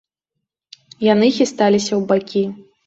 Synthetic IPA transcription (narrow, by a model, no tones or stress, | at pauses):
jan̪ɨxʲist̪alʲisʲɐwbakʲi